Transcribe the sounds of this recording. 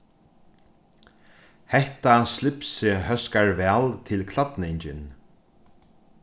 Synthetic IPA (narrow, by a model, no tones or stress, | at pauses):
hɛht̪aslɪpsɪɦœskaɹvɛːlt̪ʰɪlkʰlat̪nɪɲt͡ɕɪn